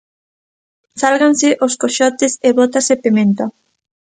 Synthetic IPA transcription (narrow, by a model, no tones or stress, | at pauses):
salɣansɪʔoskoʃɔt̪ɪseβot̪asepemẽnt̪o